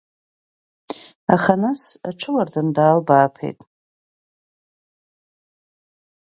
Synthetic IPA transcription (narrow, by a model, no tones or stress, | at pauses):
aχanasa̰ʈ͡ʂʰɨlardʰandaːlbaːpʰḛjtʼ